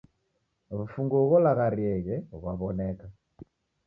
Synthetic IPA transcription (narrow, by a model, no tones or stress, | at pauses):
βufuŋɡɔɣɔlaɣaɾiɛɣɛβaβɔnɛka